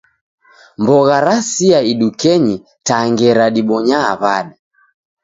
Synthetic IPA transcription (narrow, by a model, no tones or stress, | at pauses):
mbɔɣaɾasiaiɗukɛɲi | taŋɡɛɾaɗiɓɔɲa̰ːβaɗa